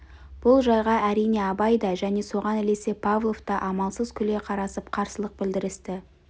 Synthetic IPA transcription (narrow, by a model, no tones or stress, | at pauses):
b̥ʊlˠʒɑjʁɑʔæɾijne̞ɑbɑjd̪ɑʒæne̞so̞ʁɑnɪle̞se̞pʰavlˠo̞ft̪ɑʔɑmɑlˠsəzkʲʰʏle̞qʰɑɾɑsəpqʰɑɾsəlˠəq̚bɪld̪ɪɾɪst̪ɪ